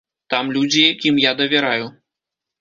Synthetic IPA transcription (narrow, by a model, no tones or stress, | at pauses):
t̪amlʲud͡zʲijakʲimjad̪ɐvʲɪɾaju